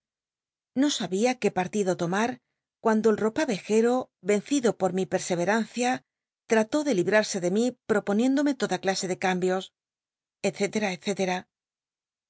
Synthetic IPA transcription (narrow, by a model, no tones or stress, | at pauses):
no̞saβiake̞paɾt̪iðo̞t̪o̞maɾ | kwand̪o̞elro̞paβe̞xe̞ɾo̞ | βe̞nθiðo̞po̞ɾmipe̞ɾse̞β̞e̞ɾanθja | t̪ɾat̪o̞ðe̞liβɾaɾse̞ðe̞mipɾo̞po̞njẽ̞nd̪o̞me̞t̪o̞ðaklase̞ðe̞kambjo̞s | et̪θe̞t̪e̞ɾaetθe̞t̪e̞ɾa